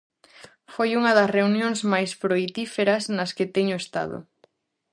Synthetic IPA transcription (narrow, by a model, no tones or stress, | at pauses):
fojuŋɐðɐsreunjoŋsmajspɾoijt̪ifeɾɐsnɐsket̪ɛɲʊest̪a̰ðʊ̰